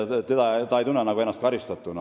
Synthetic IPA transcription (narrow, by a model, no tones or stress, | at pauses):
t̪ed̪ɑt̪ɑːejt̪unːenɑɡuenːɑst̪kɑɾist̪ɑt̪ːˑunɑ